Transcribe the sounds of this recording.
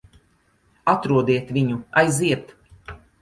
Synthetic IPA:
at̪ɾuɔd̪iɛt̪vʲiɲuajziɛt̪

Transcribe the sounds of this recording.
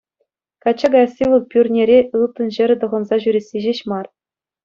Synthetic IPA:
kɑt͡ɕːɑɡɑjɑsʲilˠɤ̆k̚pʲyrʲnʲeɾʲeʔɯlˠt̪ɤ̆nʑɘ̆ɾʲɘ̆t̪ɤ̆ʁɤ̆nzɑʑyɾʲesʲːeʑeɕmɑr

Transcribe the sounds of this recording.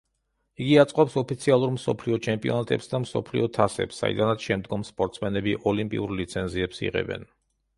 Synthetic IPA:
iɡiat̪sʼqʼɔpsɔpʰit̪sʰialˠuɾmsɔ̰pʰliɔt͡ʃʰɛmpʼiɔnat̪ʼɛpsd̪amsɔ̰pʰlḭɔt̪ʰasɛ̰psːa̰ḭd̪anat̪sʰʃɛmd̪ɡɔmspʼɔɾt̪ʼsmɛnɛbiʔɔlimpʼḭuɾlit̪sʰɛnziɛpsḭʁɛ̰bɛ̰n

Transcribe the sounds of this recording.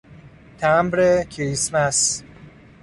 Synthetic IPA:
t̪ʰæmbɾekʰɾismæs

